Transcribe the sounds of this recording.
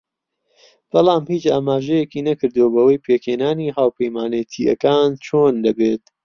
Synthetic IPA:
b̥ɑlˠɑːmhiːt͡ʃaːmaːʒɛjekiːnɐkɨɾd̪uwobɐwɐjpʰeːkheːnaːniːɦaːwpʰɐjmaːnet̪ʰiɐ̰kaːnt͡ʃʰoːnd̪ɐbeːt̪̚

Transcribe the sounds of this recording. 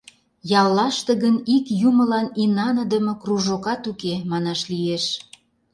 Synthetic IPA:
jɑlːɑʃt̪əɣənikjuməlɑninɑnə̆d̪əmɤ̆kruʒokɑt̪ukemɑnɑʃlieʃ

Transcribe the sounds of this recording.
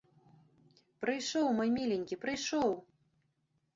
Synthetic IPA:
pɾɨjʂɔwmɔjmʲilʲenʲkʲipɾɨjʂɔw

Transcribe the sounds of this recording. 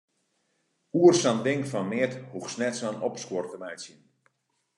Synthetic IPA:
uərsandɪŋkfɔnmɪəthuxsnɛtsanɔpskwortəmɛjsin

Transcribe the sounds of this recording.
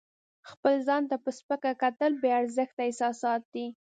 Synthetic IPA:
xpəlzɑnt̪apəspəkakat̪əlbeaɾzəxt̪aɪsɑsɑt̪̚d̪i

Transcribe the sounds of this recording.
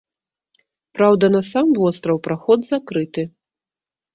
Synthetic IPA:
pɾawd̪ɐnɐsamvɔst̪ɾɐwpɾaxɔd̪zakɾɨt̪ɨ

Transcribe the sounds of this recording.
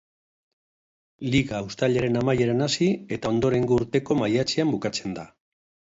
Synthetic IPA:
liɣawst̪aʎeɾe̞namajeɾanasie̞t̪ao̞nd̪o̞ɾe̞ŋɡouɾt̪e̞ko̞majat͡seambukat͡se̞nd̪a

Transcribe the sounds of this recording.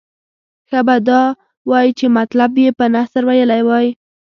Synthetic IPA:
xəbad̪ɑ | wɑjit͡ʃemat̪labjepənasəɾwajəlajwɑj

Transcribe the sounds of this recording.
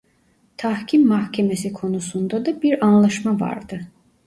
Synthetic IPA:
t̪ʰɑhcʰimːɑhcʰɛmesikʰo̞nusund̪ad̪abiɾɑnlˠɑʃmavɑ̰ɾd̪ɯ

